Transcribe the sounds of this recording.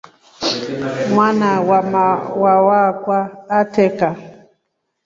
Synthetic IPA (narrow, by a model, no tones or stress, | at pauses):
mwanawamawawakwaːtɛka